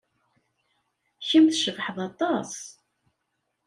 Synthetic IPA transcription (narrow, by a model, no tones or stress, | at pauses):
çimθʃəvħəðˤɑt̪ˤɑs